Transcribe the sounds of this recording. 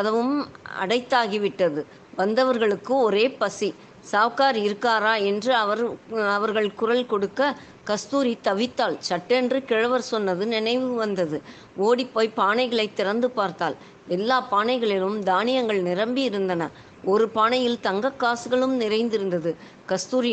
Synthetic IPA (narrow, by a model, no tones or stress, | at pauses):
ɐðɐʋɯmɐ̰ɽɐɪt̪ːaːɣiʋɪʈːɐðɯ | ʋɐnd̪ɐʋɐɾɣɐɭɯkːɯɔɾeːpɐsi | saːʋkaːɾɪɾɯkːaːɾaːɛndrɯɐʋɐɾɐʋɐɾɣɐɭkʊrɐlkɔɽɯkːɐ | kɐst̪uːɾit̪ːɐʋɪt̪ːaːlsɐʈːɛndrɯkɪɻɐʋɐɾsɔnːɐðɯnɪnɐɪʋɯʋɐnd̪ɐðɯ | oːɽipːoːjpːaːɳɐɪɣɐɭɐɪt̪ːɪɾɐnd̪ɯpaːɾt̪aːl | ɛlːaːpaːɳɐɪɣɐɭɪlɯmd̪aːnɪjɐŋɡɐɭnɪɾɐmbiɪɾɯnd̪ɐnɐ | ɔɾɯpaːnɐjɪlt̪ɐŋɡɐkːaːsɯɣɐɭɯmnɪɾɐɪnd̪ɪɾɯnd̪ɐðɯ | kɐst̪uːɾɪ